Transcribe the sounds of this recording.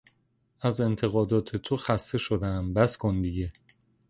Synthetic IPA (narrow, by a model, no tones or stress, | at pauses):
æze̞nt̪ʰe̞ɣɒːd̪ɒːt̪ʰe̞t̪ʰoxæst̪e̞ʃo̞d̪æmbæskʰond̪ije